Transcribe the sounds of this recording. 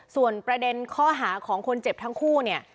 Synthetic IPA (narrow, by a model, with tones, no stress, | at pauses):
su˨˩ənpɾa˧de˧nkʰɔː˥˩ɦaː˩˦kʰɔː˩˦ŋkʰo˧nt͡ɕe˨˩p̚t̪ʰa˦˥ŋkʰuː˥˩ni˥˩ɐ